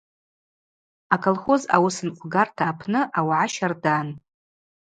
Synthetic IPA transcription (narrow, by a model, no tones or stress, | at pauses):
akʰolˠχo̞za̰wʊsɨnqʷʰʼɡartʰaːpʰnɨʔawʕaʃardan